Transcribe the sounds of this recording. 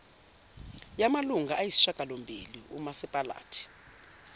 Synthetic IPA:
jamaluŋɡʱaʔajisi̥ʃakʼalombʱḭliṵmasɛpʼala̰ːtʰi̥

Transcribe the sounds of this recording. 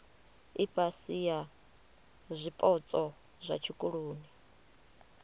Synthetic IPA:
ipʼasija | zʷipʼɔt͡sʼɔ | zʷa̰t͡ʃʰikʼuɺoːni

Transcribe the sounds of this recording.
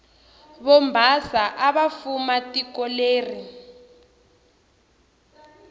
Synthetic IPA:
βɔmbʱasaʔaβafumatʼikɔleːri

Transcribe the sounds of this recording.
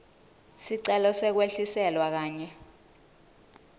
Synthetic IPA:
siǀɛlɔsɛk̬weɬisɛlwak̬aːɲɛ

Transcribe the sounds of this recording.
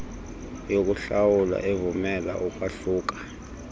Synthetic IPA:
jok̬ʼuɬawulwa̰ʔevumɛla̰ʔukʼwaɬuːk̬ʼḁ

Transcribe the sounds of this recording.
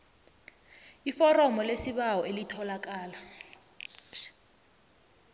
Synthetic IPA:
ifɔrɔmɔlesiɓawɔʔelitʰɔlak̬ʼaːla

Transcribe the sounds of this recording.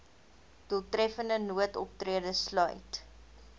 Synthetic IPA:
d̥uəlˠtrɛfəndənuətɔp̚triədəslœ̰ɥt

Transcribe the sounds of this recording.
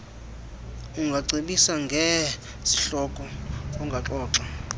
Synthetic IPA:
uŋɡʱaǀʱiɓisaŋɡʱɛ | zi̥ɬɔkʼɔɔŋɡʱaǁɔːǁa

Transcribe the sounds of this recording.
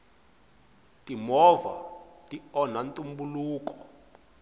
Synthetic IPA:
tʼimɔva̰tʼiɔnantʼumbuluːkɔ

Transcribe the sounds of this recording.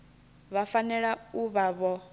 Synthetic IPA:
βafanɛɺauβaβɔ

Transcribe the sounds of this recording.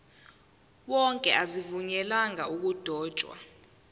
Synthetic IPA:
wɔŋkʼɛʔazivuɲɛlaŋauk̬ud̥ʱɔːd̥ʒ̥ʱwa̰

